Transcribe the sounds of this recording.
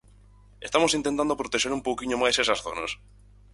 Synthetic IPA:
est̪amosint̪ent̪and̪opɾot̪eʃeɾumpowkiɲomajsesasθona̰s

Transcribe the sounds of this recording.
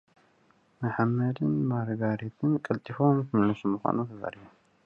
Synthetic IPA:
maħamːɐd̪ɨnmaɾɡaɾit̪ʰɨnkʼɐlt̪ʼifomkɨnlɐsumɨxʷa̰nut̪ʰɐza̰ɾiju

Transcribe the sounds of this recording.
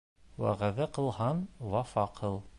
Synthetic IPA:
wæ̰ʁæðæqɤ̆lˠɦɑnwɑfɑqʰɤlˠ

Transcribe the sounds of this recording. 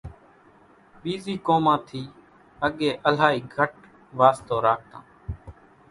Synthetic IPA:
ɓiːziːkoːmãːt̪ʰiː | əɠeːʔəlaːiːɡʱəʈ̚ | ʋaːst̪oːɾaːk̚ʰt̪ã̰ː

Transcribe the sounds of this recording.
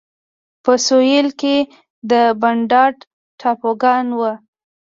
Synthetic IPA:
pəsojelke | d̪əbaɳɖɑɖ | ʈʰɑpoɡɑnwə

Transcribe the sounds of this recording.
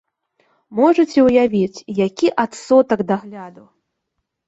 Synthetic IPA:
mɔʐɐt͡sʲɛwjavʲit͡sʲjakʲiʔat̪sɔt̪ɐɡd̪aɣlʲad̪u

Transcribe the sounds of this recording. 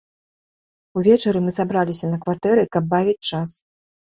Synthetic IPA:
uvʲɛt͡ʂɐɾɨmɨzabɾalʲisʲɐnɐkvat̪ɛɾɨkɐb̚ːavʲit͡sʲt͡ʂas

